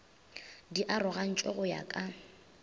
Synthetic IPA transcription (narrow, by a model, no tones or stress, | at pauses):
diʔarʊɣan̩t͡ʃʼɔɣʊja̰kʼa